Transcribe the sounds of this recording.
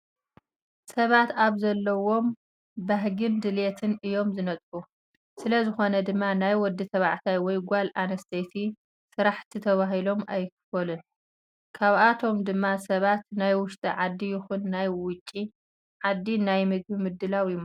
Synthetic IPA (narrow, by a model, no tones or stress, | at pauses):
sɐβat̪aβzɐlːɐwo̞m | baɦɡɨnd̪ɨlet̪ʰɨnɨjo̞mzɨnɐt̪ʼbu | sɨlɐzɨxo̞nɐd̪ɨmːanajwɔd̪ːit̪ʰɐβaʕt̪ʰajwɔjɡʷalanɐst̪ʰesi | sɨɾaħt̪ʰit̪ʰɐβaɦilo̞mʔajkʰɨfɐlun | kʰaβʔat̪ʰo̞md̪ɨmːasɐβat̪najwʊʃt̪ʼiʕad̪ːijɪxunːajwʊt͡ʃʼːi | ʕad̪ːinajmɨɡ̚bimɨd̪ːɨlawjm